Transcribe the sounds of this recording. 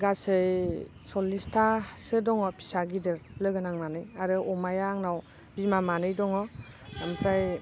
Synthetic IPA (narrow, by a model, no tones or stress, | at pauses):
ɡasɯj | sɔlistʰasɯdɔŋɔpʰi̥saɡidɯɾlɔjɡɯnaŋnanɯjaɾɯʔɔmajaŋnaw | b̥imamanɯjdɔŋɔampʰɾaj